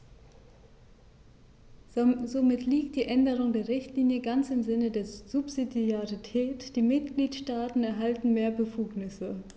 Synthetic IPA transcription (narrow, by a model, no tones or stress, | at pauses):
zomɪtʰliːk̚t̚d̥iːʔɛndəʁ̞ʊŋdeːɐʁɪçtliːnjəɡant͡sɪmzɪnədeːɐz̥upz̥idiaʁitʰɛːtd̥iːmɪt̚ɡ̥liːtʃtaːtn̩ɛɐɦaltn̩meːɐbəfuːknɪsə